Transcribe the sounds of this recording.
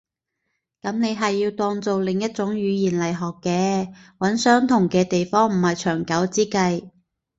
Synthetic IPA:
kɐ˨˥mne˨˧jɦɐ˨jːiː˧wt̪ɔː˧ŋt͡so˨wlɪ˨ŋjɐ˥t̚t͡sʊ˨˥ŋjyː˨˧jiː˨˩nlɐ˨˩jɦɔː˨kːɛː˧wɐ˨˥nsœː˥ŋt̪ʰʊ˨˩ŋkɛː˧t̪e˨jfɔː˥ŋm̩˨˩hɐ˨jt͡ʃʰœː˨˩ŋkɐ˨˥wt͡siː˥kɐ˧j

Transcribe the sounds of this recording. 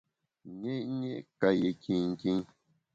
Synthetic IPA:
ɲe˦ʔɲe˦ʔka˧je˨kĩ˧˨ŋ̩˨kĩ˦ŋ

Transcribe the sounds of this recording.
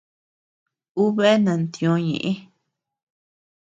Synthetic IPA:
u˦βe˦nã˨nt̪jõ˧ɲḛ̃˨ʔĩ˦

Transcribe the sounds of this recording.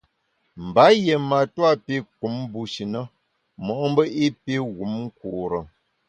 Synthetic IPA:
m̩˨ba˨˦je˨ma˨twa˦pe˦k̚u˨˦mbu˨ʃi˨nə˦ | mɔ˨ʔm̩˦bə˦i˦pe˦ɣu˨˦mŋ̩˦ku˨ɾə˨

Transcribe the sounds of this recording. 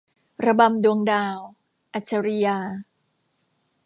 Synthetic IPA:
ɾa˧ba˧mdu˧əŋdaː˧w | ʔa˧˩t͡ɕʰːa˧ɾi˧jaː˧

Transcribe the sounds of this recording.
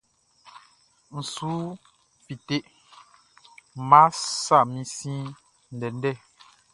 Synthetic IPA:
n̩˨su˨˦ | fi˨te˦ʔ | ma˦sa˦˨mĩ˦sĩ˦ | n̩˨dɛ˨n̩˦dɛ˦˨

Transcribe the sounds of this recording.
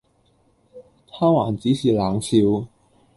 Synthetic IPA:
t̪ʰaː˥wa˨˩nt͡si˨˥si˨˩la˨˩ŋsʰi˧˥w

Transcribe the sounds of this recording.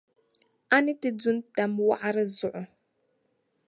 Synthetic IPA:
a˦ni˦ti˦d͡zu˦nta˨mwa̰˦ʔa˦ɾə˦zʊ˨ʔʊ˨

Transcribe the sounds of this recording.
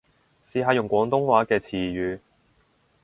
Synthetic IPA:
siː˨˧ɦaː˧jʊ˨ŋkʷɔː˨˥ŋt̪ʊ˥ŋwaː˨˥kɛː˧t͡sʰiː˨˩jyː˨˧

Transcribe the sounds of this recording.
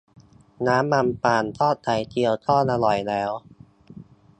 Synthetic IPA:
naː˦˥mːa˧mpaː˨˩nt̪ʰɔː˥˩t̪ʰa˨˩jt͡ɕi˧əwt̪ʰɔː˥˩nʔa˧lɔ˨˩jlɛː˦˥w

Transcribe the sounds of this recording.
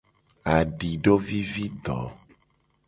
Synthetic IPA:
a˨ɖi˨ɖo˦vi˦vi˦d̪ɔ˨˦

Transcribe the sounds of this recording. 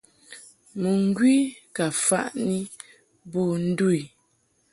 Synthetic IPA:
mə˨ŋ˦ɡwi˦ka˨fa̰˦˨ʔni˦ | bɔ˦˨n̩˦du˦˨i˨

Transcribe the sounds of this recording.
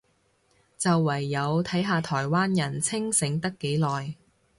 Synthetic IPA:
t͡sɐ˨wːɐ˨˩jːɐ˨˧wt̪ʰɐ˨˥jɦaː˨˧t̪ʰɔː˨˩jwaː˥njɐ˨˩nt͡sʰɪ˥ŋsɪ˨˥ŋt̪ɐ˥kːe˨˥jlɔː˨j

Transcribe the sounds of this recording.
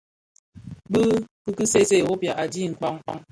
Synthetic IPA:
bɨ˦kɨ˦kɨ˦se˦˨se˦˨o˦pa˨ʔa˨di˦˨ŋ̩˨k͡pa˦˨ŋ̩˦k͡pa̰˦ŋ

